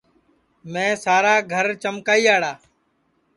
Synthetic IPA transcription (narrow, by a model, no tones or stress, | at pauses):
mẽːsaːɾaːɡʱəɾt͡ʃəmkaːiːaːɽaː